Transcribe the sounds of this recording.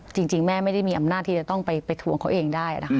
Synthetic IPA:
t͡ɕi˧ŋt͡ɕi˧ŋmɛː˥˩m˥˩jda˥˩jmiː˧ʔa˧mnaː˥˩t̪ʰːiː˥˩a˨˩t̪ɔ˥˩ŋpa˧jpa˧jt̪ʰu˨˧˩əŋkʰa˨˦wʔeː˧ŋdaː˥˩jʔa̰˨na˦˥k

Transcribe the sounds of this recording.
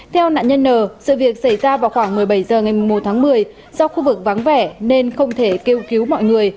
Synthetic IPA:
t̪ʰɛ˧wna̰ː˧˨ɲə˧nːəː˨˩sɨ̰˧˨vi˨˩ək̚sa˧˩jzaː˧vaː˨˩wxwaː˧˩ŋmɨ˨˩əjɓə˧˩jzəː˨˩ŋa˨˩jmu˨˩ŋ͡mmo˨˩t̚t̪ʰaː˨˦ŋmɨ˨˩əj | zɔ˧wxu˧vɨ˨˩k̚va˨˦ŋvɛ˧˩ne˧nxə˧wŋ͡mt̪ʰe˧˩ke˧wki˨˦wmɔ̰˧˨jŋɨ˨˩əj

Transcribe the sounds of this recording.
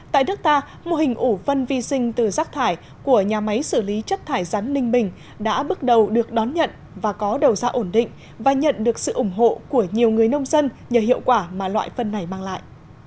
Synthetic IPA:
t̪a̰ː˧˨jnɨ˦˥k̚t̪aː˧ | mo˧hï˨˩ŋ̟ʔu˧˩fə˧nvi˧sï˧ŋ̟t̪ɨ˨˩zaː˦˥k̚t̪ʰaː˧˩j | ku˧˩əɲaː˨˩ma˨˦jsɨ˧˩li˨˦t͡ɕə˦˥t̚t̪ʰaː˧˩jza˨˦nlï˧ŋ̟mï˨˩ŋ̟ | ɗa̰ː˧˥ɓk̚ɗə˨˩wɗɨ˨˩ək̚ɗɔ˨˦nɲə̰˧˨n | vaː˨˩kɔ˨˦ɗə˨˩wzaː˧ʔo˧˩nɗḭ˧˨ŋ̟ | vaː˨˩ɲə̰˧˨nɗɨ˨˩ək̚sɨ̰˧˨ʔʊ˧˩ŋ͡mɦo̰˧˨ku˧˩əɲi˨˩əwŋɨ˨˩əjnə˧wŋ͡mzə˧n | ɲəː˨˩hḭ˧˨əwkwaː˧˩maː˨˩lwa̰ː˧˨jfə˧nːa˨˩jmaː˧ŋla̰ː˧˨jʔ

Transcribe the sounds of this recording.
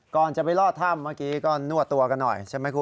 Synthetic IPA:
kɔː˨˩nt͡ɕa˨ʔpa˧jlɔː˥˩t̪ʰːa˥˩mːaː˥˩kiː˨˦˥kɔː˥˩nu˥˩t̪ːu˧ɐka˧nːɔ̰˨˩jt͡ɕʰa˥˩ma˦˥jkʰuː˧

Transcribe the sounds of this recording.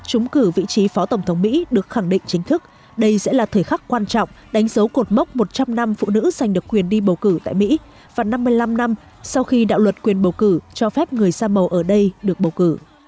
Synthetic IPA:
t͡ɕʊ˨˦ŋ͡mkɨ˧˩vḭ˧˨t͡ɕi˨˦fɔ˨˦t̪ə˧˩ŋ͡mt̪ʰə˨˦ŋ͡mmḭ˧˥ɗɨ˨˩ək̚xa˧˩ŋɗḭ̈˧˨ŋt͡ɕï˨˦ŋ̟t̪ʰɨ˦˥k̚ | ɗə˧jsɛ̰˧˥laː˨˩t̪ʰəː˨˩jxa˦˥kkwaː˧nt͡ɕɔ̰˧˨wŋ͡m | ɗa˨˦jŋ̟zə˨˦wko˨˩t̚mə˦˥wk͡p̚mo˨˩t̚t͡ɕa˧mna˧mfṵ˧˨nɨ̰˧˥za˨˩jŋ̟ɗɨ˨˩əkːwi˨˩ənɗi˧ɓə˨˩wkɨ˧˩t̪a̰ː˧˨jmḭ˧˥ | vaː˨˩na˧mːɨ˧əjla˧mna˧m | sa˧wxi˧ɗa̰ː˧˨wlwə˨˩t̚kwi˨˩ənɓə˨˩wkɨ˧˩t͡ɕɔ˧fɛ˦˥p̚ŋɨ˨˩əjsaː˧mə˨˩wʔəː˧˩ɗə˧jɗɨ˨˩ək̚ɓə˨˩wkɨ˧˩

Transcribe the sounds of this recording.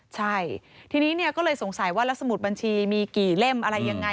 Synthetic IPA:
t͡ɕʰa˥˩jt̪ʰiː˧niː˦˥ni˥˩ɐkɔː˥˩lɤː˧jso˩˦ŋsa˨˩˦jwaː˥˩la˦˥k̚sa˧mu˨˩t̪̚ba˧nt͡ɕʰiː˧miː˧kiː˨˩le˥˩mʔa˧ɾa˧jːa˧ŋːa˧

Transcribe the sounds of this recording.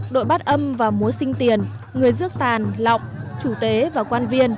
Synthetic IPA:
ɗo̰˧˨jɓa˦˥t̚ʔə˧mvaː˨˩mu˨˦sï˧ŋ̟t̪i˨˩ən | ŋɨ˨˩əjzɨ˦˥ək̚t̪aː˨˩nlɔ̰˧˨wŋ͡mt͡ɕu˧˩t̪we˨˦vaː˨˩kwaː˧nvi˧ən

